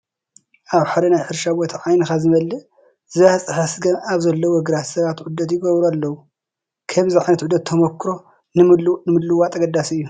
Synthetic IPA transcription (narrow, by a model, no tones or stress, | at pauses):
ʔaβħaɾinajħɨɾʃabot̪ʰiʕajnɨxazɨmɐlːɨ | zɨβat͡sʼɨxasɡɐmaβzɐlːowɔɡɨɾat̪sɐβat̪ʕʊd̪ːɐt̪jɪɡɐβɾualːɐwu | kʰɐmziʕajnɐt̪ʕʊd̪ːɐt̪ʰɐmɐkʰːɾo̞ | nnmɨlːuwat̪ʼɐɡɐd̪ːasɨjːu